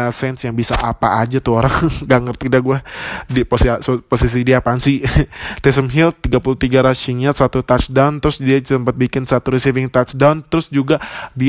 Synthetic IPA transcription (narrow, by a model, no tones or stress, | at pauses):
sɛnsjaŋbisa̰ʔapa̰ʔad͡ʒat̪uoɾaŋɡaŋɡərt̪idaɡuɛdipossposis̬idiapansɪt̪ɛs̬əmɦɪlt̪ːiɡapuluht̪iɡaɾasiŋat̪sat̪ut̪at͡ʃdawnt̪əɾʊsdiat͡ʃəmpat̪̚bikɪnsat̪uɾisivɪŋt̪at͡ʃdawnt̪əɾʊsd͡ʒuɡadi